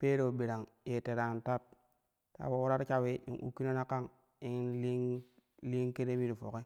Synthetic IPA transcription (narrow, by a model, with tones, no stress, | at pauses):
pe˦ɾo˨bi˨ɾa˨ŋ | je˨te˨ɾa˨n˨ta˦t̚ | ta̰˨wo˨wu˦ɾa˦ɾt͡ʃa˦we˦ḭ˨ŋʔṵ˦kːi˦no˦na˦ka˦˨ŋ | i˦ŋ˦li˦ŋ | li˦ŋke˦ɾe˦mi˦ɾi˨fo˨ke˦